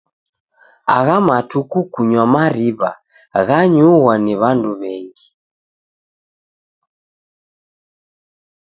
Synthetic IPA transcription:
a̰ɣamatukukuɲwamaɾiβa | ɣaɲuɣwaniβanduβɛŋɡi

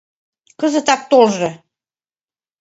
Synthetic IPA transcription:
kɤ̆zə̆t̪ɑk̚t̪olʒɤ̆

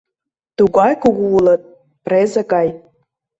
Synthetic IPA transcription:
t̪uɣɑjkuɣuulɤ̆t̪̚ | prezĕɣɑj

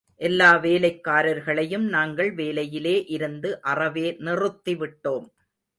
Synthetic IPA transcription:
ʔɛlːaːʋeːlɐɪkːaːɾɐɾɣɐɭɐjɯmnaːŋɡɐɭʋeːlɐjɪleːʔɪɾɯnd̪ɯʔɐrɐʋeːnɪrɯt̪ːiʋɪʈːoːm

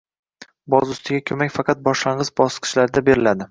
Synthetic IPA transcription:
bɒzʊst̪ʰɪɡʲakʲʰɵmakʲfɑqʰɑt̪̚bɒʃlaɴʁɨzbɒsqʰɨ̥ʃlaɾɪd̪abe̞ɾɪlad̪ɪ

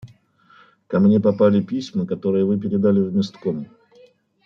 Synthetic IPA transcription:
kɐmnʲe̞pɐpalʲɪpʲisʲməkɐt̪o̞ɾɨjəvɨp̬ʲɪɾʲɪd̪alʲɪvʲmʲɪst̪kom

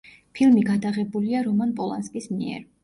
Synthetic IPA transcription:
pʰilˠmiɡad̪aʁɛbuliaɾɔmanpʼɔlˠa̰nskʼismiɛ̰ɾ

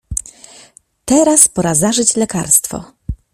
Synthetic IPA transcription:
t̪ɛɾaspɔɾazaʐɘt͡ɕlɛkaɾst̪fɔ̰

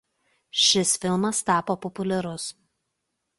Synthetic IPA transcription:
ʃʲɪsfʲɪlˠmɐst̪ɑːpoːpɔpʊlʲɛɾʊs

